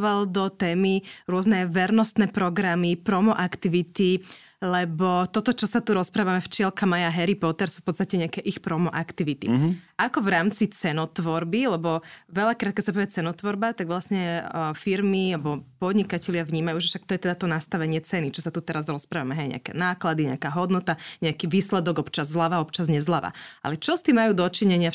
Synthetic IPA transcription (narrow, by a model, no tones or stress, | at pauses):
ʋald̪ɔt̪ɛːmiɾʊɔznɛʋɛɾnɔst̪nɛːpɾɔɡɾamipɾɔmɔʔakt̪iʋit̪i | lɛbɔt̪ɔt̪ɔt͡ʃɔsat̪uɾɔspɾaːʋamɛft͡ʃɪɛlkamajaɦɛɾipɔt̪ɛɾsu̥ːfpɔt̪t͡st̪acɛɲɪakɛʔixpɾɔmɔʔakt̪iʋit̪ḭʔakɔvɾaːmt͡sit͡sɛnɔt̪ʋɔɾbilɛbɔʋɛʎakɾaːt̪̚kɛt̪sapɔʋɛt͡sɛnɔt̪ʋɔɾbat̪aɡʋlasɲɛfiɾmiabɔpɔd̪ɲikacɛlɪaʋɲiːmajuːʒɛfʃak̚t̪ɔjɛt̪ɛd̪at̪ɔnast̪aʋɛɲɪɛt͡sɛnit͡ʃɔsat̪ut̪ɛɾazɾɔspɾaːʋamɛɦɛjɲɛ̰a̰kɛ̰naːklad̪iɲɛ̰akaːɦɔd̪nɔt̪aɲɛakiʋiːslɛd̪ɔɡɔpt͡ʃazːlaʋaɔpt͡ʃazɲɛzlaʋa̰a̰lɛt͡ʃɔst̪iːmajuːd̪ɔt͡ʃiɲɛɲɪa